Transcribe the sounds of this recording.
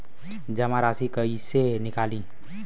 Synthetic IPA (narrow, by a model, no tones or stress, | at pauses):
d͡ʒəmãɾaːsikəisenɪkaːli